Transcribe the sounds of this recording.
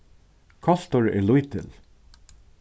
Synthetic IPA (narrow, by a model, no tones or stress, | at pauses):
kʰɑɬt̪ɔɹɛ̰lujt̪ʰɪ̰l